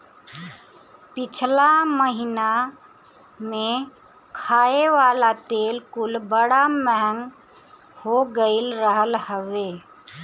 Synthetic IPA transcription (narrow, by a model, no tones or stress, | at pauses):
pɪt͡ʃʰlaməɦɪna | mẽ | kʰaːeʋaːlat̪eːlkʊlbəɽaməɦəŋɡ | hoɡəɪlɾəɦəlhəʋe